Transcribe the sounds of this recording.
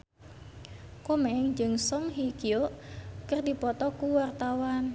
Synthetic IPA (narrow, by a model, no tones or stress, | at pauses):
komɛɛŋd͡ʒɨŋsɔŋɦikioʔkərdipɔt̪ɔkuwart̪awan